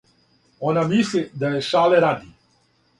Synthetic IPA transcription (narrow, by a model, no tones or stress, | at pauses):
onamislid̪ajeʃaːleɾad̪i